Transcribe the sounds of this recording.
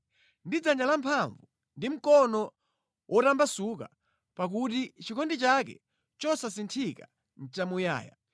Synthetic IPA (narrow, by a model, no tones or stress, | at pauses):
ndid͡zaɲd͡ʒalampʰaɱvu | ndim̩kɔnɔ | wʔɔtambasuka | pak̬utit͡ʃikʰɔndit͡ʃak̬ɛ̰ | t͡ʃɔsasintʰika | n̩t͡ʃamuja̰ːja̰